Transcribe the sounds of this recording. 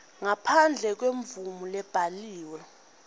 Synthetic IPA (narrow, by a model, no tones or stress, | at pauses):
ŋapʰand͡ɮʱɛk̬weɱvumulɛb̥ʱaliːwɛ